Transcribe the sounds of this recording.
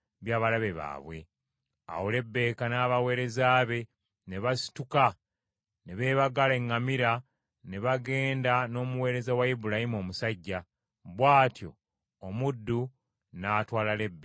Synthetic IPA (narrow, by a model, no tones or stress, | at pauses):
βjaːβalaβe̞βa̰ːβwe̞̰ | a̰wole̞bːe̞ːkanaːβawe̞ːɾe̞zaːβe̞ | ne̞βasi̥tuka | ne̞βe̞ːβaɡale̞ŋːamiɾa | ne̞βaɡe̞ːndano̞ːmuwe̞ːɾe̞zawaibulahimo̞ːmusaɟːa | βwaːtjo̞̰ː | mudːu | naːtwaːlale̞bːe